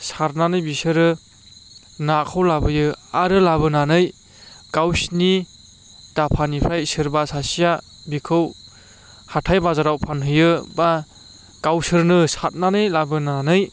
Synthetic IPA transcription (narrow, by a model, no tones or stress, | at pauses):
saɾnanɯjbisɯɾɯ | nakʰɯwlabɯjɯaɾɯlabɯnanɯj | ɡawsni | d̥apʰanipʰɾajsɯɾbasasija | bikʰɯw | hatʰajbazaɾawpʰanɦɯjɯba | ɡ̥awsɯɾnɯsat̚nanɯjlabɯnanɯj